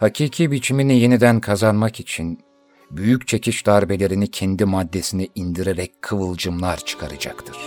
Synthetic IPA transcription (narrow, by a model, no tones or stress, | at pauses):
hacʰiːcʰibit͡ʃʰiminije̞nid̪ænkʰazanmakit͡ʃʰin | byjyct͡ʃʰe̞cʰiʃd̪aːɾibe̞lʲe̞ɾinicʰɛnd̪imad̪ːe̞sinɛʔind̪iɾeɾɛc̚ʲkʰːɯvɯlˠd͡ʒɯmlˠaɾt͡ʃʰɯ̥kʰaɾad͡ʒa̰kt̪ʰɯɾ̥